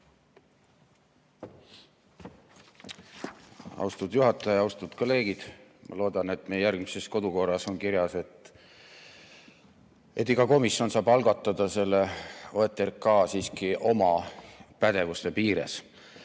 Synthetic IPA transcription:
ɑ̰wst̪ud̪̥juɦɑt̪ːˑɑjɑjɑwst̪ud̪̥ko̞le̞ːɡ̥id̪̥mʔɑ̰lo̞ːd̪̥ɑne̞t̪ːˑmejejærɡmise̞sko̞d̪̥uko̞rːɑso̞nkiɾjɑse̞t̪ | ʔe̞t̪ːˑiɡ̥ɑko̞misjo̞nsɑːbɑlɡɑt̪ːˑɑd̪̥ɑse̞lːeoet̪ːˑerkɑːsiːskiʔo̞mɑpæd̪̥e̞vust̪e̞piːɾḛs

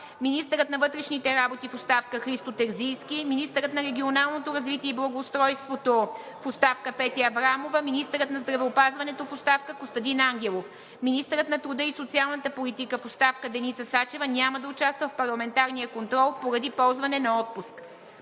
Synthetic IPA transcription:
minist̪əɾət̪nɐvɤt̪ɾɛʃnit̪ɛɾabot̪ifost̪afkəxɾist̪ot̪ɛɾzijskʲiminist̪əɾət̪nɐɾɛɡʲionalˠnot̪oɾɐzvit̪iɛiblˠɐɡoːst̪ɾɔjst̪vot̪o | fost̪afkəpɛt̪iɐvɾamovəminist̪ɛɾət̪nɐzd̪ɾɐvɛopazvɐnɛt̪ofost̪afkəkost̪ɐd̪inaŋɡʲɛlˠof | minist̪əɾət̪nɐt̪ɾud̪əisot̪sialˠnət̪əpolit̪ikəfost̪afkəd̪ɛnit̪səsat͡ʃɛvənʲaməd̪ɐʊt͡ʃast̪vəfpɐɾlˠɐmɛnt̪aɾnijəkont̪ɾɔlˠpoɾɐd̪ipɔlˠzvɐnɛnɐɔt̪̚pusk

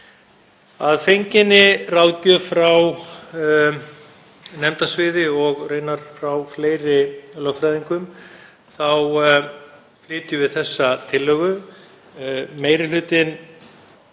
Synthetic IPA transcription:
aðfejɲcɪnɪrawðcʏfɾaw | nɛmt̪asvɪːðɪɔɣrejnaɾ̥fɾawfleːjɾɪlœɣfɾajðiŋkʏm | θaw | flɪːt̪ʏvɪðθɛsːat̪ʰɪlːœːɣʏ | meːjɾɪlʏːt̪ɪn

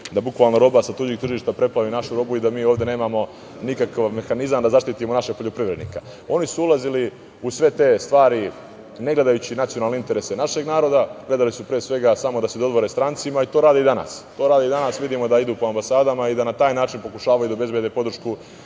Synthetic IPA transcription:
d̪abukʋaːlˠnoɾo̞basat̪ud͡ʑiɡ̚t̪r̩ʒiːʃt̪apɾe̞plˠaʋinaʃuɾo̞buid̪amiːoːvd̪e̞ne̞ːmamo̞ | nikakaʋme̞xanizamd̪azaʃt̪it̪imonaʃeɡ̚poʎo̞pɾiʋɾe̞d̪nḭka | o̞nisuulˠazili | usʋe̞t̪e̞ːst̪ʋaːɾi | ne̞ɡle̞d̪ajut͡ɕinat̪sijonaːlneint̪e̞ɾese̞naʃe̞ɡnaːɾo̞d̪aɡle̞d̪alisupɾeːsʋe̞ɡasamo̞d̪ased̪o̞d̪ʋo̞ɾest̪ɾant̪simait̪oːɾaːd̪iːd̪ana̰ːst̪o̞ːɾaːd̪iid̪anasʋid̪imo̞d̪aid̪uːpo̞ambasaːd̪amaid̪anat̪aːjnaːt͡ʃinpo̞kuʃaːʋajud̪aobe̞zbjed̪epo̞d̪ɾ̩rʃku

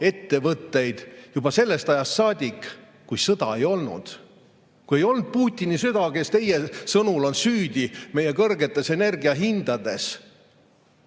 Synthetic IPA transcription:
e̞t̪ːe̞vɤt̪ːe̞jd̪̥jub̥ɑse̞lːe̞st̪ɑjɑst̪ːsɑːd̪ʲikːˑ | kujsɤd̪̥ɑ̰e̞jo̞lnṵd̪̥ | kuje̞jo̞lnd̪̚puːt̪ʲːˑinisyd̪̥ɑke̞st̪e̞jesɤnulo̞nsyːd̪̥ʲime̞je̞kɤrɡe̞t̪ːˑe̞se̞ne̞rɡiɑɦind̪̥ɑd̪e̞s

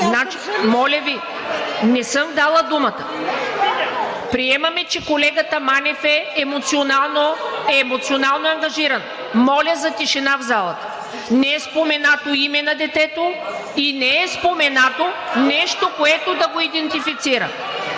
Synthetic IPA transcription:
znat͡ʃi̥mɔlʲɐvi | nɛsɤmd̪alˠəd̪umɐt̪ə | pɾiɛmɐmɛt͡ʃɛkolɛɡət̪əmanʲɛfɛːmot̪sionalˠnoɛːmot̪sionalˠnoɐŋɡɐʒiɾɐn | mɔlʲəzɐt̪iʃɛnavzalˠɐt̪ə̥ | nɛɛspomɛnat̪oimɛnɐd̪ɛt̪ɛt̪oinɛɛspomɛnat̪onɛʃt̪okoɛt̪od̪ɐɡoid̪ɛnt̪ifit̪siɾɐ̰

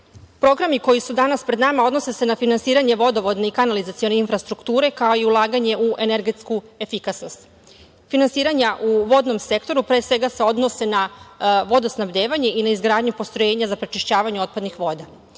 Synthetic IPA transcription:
pɾo̞ɡɾamiko̞jisud̪anaspɾe̞d̪namao̞d̪no̞se̞se̞nafinansiːɾaɲe̞ʋo̞d̪o̞ʋod̪ne̞ikanalizat̪sio̞ne̞infɾast̪ɾukt̪uːɾe̞kao̞iulˠaːɡaɲe̞ʔuʔe̞neɾɡe̞t̪skue̞fikasno̞st̪ | finansiːɾaɲaʔuʋo̞d̪no̞mse̞kt̪o̞ɾupɾesʋe̞ɡase̞o̞d̪no̞se̞naʋo̞d̪osnabd̪e̞ːʋaɲe̞ʔinaizɡɾaːd̪ɲupo̞st̪ɾojeːɲazapɾet͡ʃiʃt͡ɕaːʋaɲuo̞t̪̚pad̪nixʋo̞ːd̪a

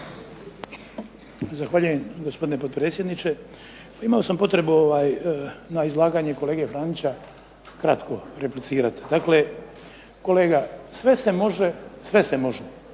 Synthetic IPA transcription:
zaxʋaːʎujemɡospd̪inepo̞d̪pɾet̪sjed̪nit͡ʃe̞ | paimao̞sampo̞t̪ɾe̞buoʋaːjnaizlˠaːɡaːɲeko̞le̞ːɡefɾaːnit͡ɕa | kɾat̪kʰo̞ɾeplit̪siːɾat̪d̪akle̞ | ko̞le̞ːɡasʋe̞se̞mo̞ʒesʋe̞se̞mo̞ʒ

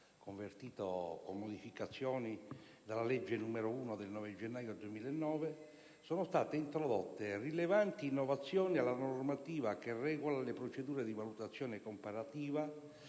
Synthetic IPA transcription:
koɱvert̪iːt̪okomːod̪ifikat̪sːjɔːni | d̪alːalɛd͡ʒːenuːmeɾouːnod̪elnɔːved͡ʒenːaːjod̪uwemiːlenːɔːve | soːnost̪aːt̪eint̪ɾod̪ɔt̪ːerilevant̪iːnːovat̪sːjɔːnialːanormat̪iːvakerːɛːɡolalepɾot͡ʃed̪uːɾed̪ivalut̪at̪sːjɔːnekompaɾat̪iːva

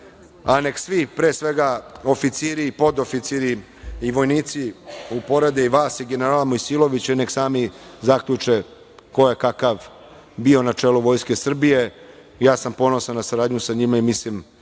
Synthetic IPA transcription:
ane̞ksʋipɾe̞ːsʋe̞ɡao̞fit̪siɾipo̞d̪o̞fit̪siɾi | iʋo̞jniːt̪siupo̞ɾed̪eiʋaːsiɡe̞neɾaːlamojsilˠo̞ʋit͡ɕaine̞ksaːmizakʎut͡ʂe̞ | ko̞jekakaʋ | bio̞nat͡ʂe̞ːluʋo̞jske̞sr̩bije̞ | jaːsampo̞no̞sannasaɾaːd̪ɲusaɲimaimislim

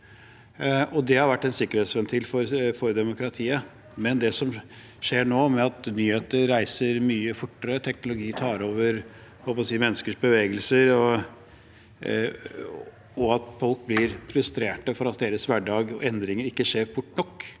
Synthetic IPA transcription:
ɔd̪ɛhɑɾʋæʈːɛnsɪkːəɾheːt̪sʋɛnt̪ʰɪlfɔɾfɔɾd̪ɛmʊkɾɑt̪ʰiːə | mɛnd̪ɛsɔm | ʂeːɳoːmɛɑt̪nyːheːt̪əɾːæɪsəɾmyːəfʊʈːəɾət̪ʰɛknʊlʊɡiːt̪ʰɑːɾoːʋəɾ | hɔlpɔsiːmɛnːəskəʂbəʋeːɡəlsəɾɔ | ɔɑt̪fɔlk̚blɪɾfɾʉst̪ɾeːʈəfɔɾɑt̪̚d̪eːɾəsʋæɖɑːɡɛnd̪ɾɪŋəɾɪkːəʂeːɾbʊʈːnɔkː

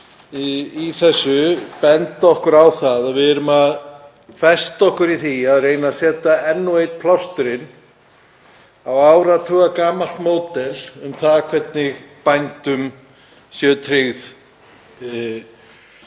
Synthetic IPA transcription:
iθɛsːʏpɛnt̪aɔhkʏɾawθaðaðvɪðɛɾʏmað | fɛst̪ɔhkʏɾiθiaðreːjnasɛːt̪aɛnːuejt̪̚pʰlawst̪ʏɾɪn | awawɾat̪ʰuːɣakaːmal̥t̪moːwt̪ɛlʏmθaðkʰvɛt̪nɪɣpajnt̪ʏm | sjœːt̪ʰɾɪɣθ

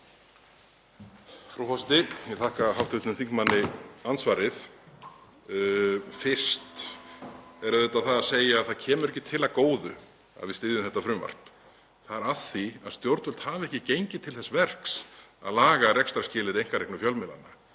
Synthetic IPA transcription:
fɾawhɔsɪnt̪ɪjɛt̪ʰahkaɦawht̪ʏt̪nʏmθiŋkmanːɪansvaːɾɪθ | fɪr̥st̪ | ɛɾœðɛt̪ːaðθaðaðseːjaːðθaðcʰɛːmʏɾɛhcɪt̪ʰɪlaðkoːwðʏ̰ | a̰ðvɪðst̪ɪːðʏmθɛht̪ːafɾʏmva̰r̥p | θaðɛɾaðθiaðst̪jowɾt̪ʏl̥t̪haːvɛhcɪcejɲcɪt̪ʰɪlθɛsvɛr̥ksa̰ðlaːɣarɛkst̪aɾscɪːlɪɾejŋkaɾrejknʏfjœlmɪla̰nːa̰

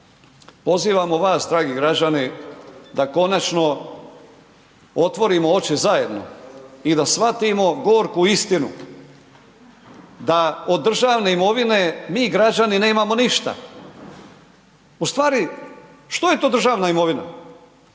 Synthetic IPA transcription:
po̞ziːʋamoʋaːsd̪ɾaːɡiɡɾad͡ʑanid̪ako̞nat͡ʃno̞ | o̞t̪ʋo̞ɾimoo̞t͡ʃizaje̞d̪no̰id̪asʋat̪imo̞ɡooɾkuist̪inṵ | d̪aod̪ːr̩ʒaʋne̞imo̞ʋine̞miːɡɾad͡ʑanine̞ːmamo̞niʃt̪a̰ | ust̪ʋaːɾi | ʃt̪oje̞t̪oːd̪r̩ʒaːʋnaimo̞ʋina̰

